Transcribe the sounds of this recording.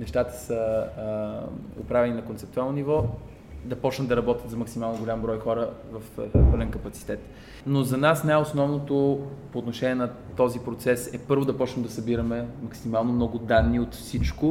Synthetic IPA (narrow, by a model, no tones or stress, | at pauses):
nɛʃt̪at̪ə̥sə | o̰pɾavɛninɐkont̪sɛpt̪ualˠnonivɔ | d̪ɐpɔt͡ʃnəmd̪ɐɾɐbɔt̪ʲət̪zɐmɐksimalˠnoɡolʲambɾɔjxɔɾəvɐfpɤlɛnkɐpɐt̪si̥t̪ɛt̪ | nozɐnasnaɛosnɔvnot̪opoːt̪noʃɛnʲiɛnɐ | t̪ɔzipɾot̪sɛsɛpɤɾvod̪ɐpɔt͡ʃnəmd̪ɐsɐbiɾɐmɛmɐksimalˠnomnɔɡʊd̪anːiot̪fsit͡ʃkʊ